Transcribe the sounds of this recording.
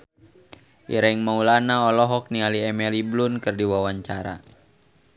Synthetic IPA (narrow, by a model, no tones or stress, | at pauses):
ʔḭɾɛŋmaulanaɔlɔɦɔk̚nialiɛmɛliblunkɨrdiwawaɲt͡ʃaɾa̰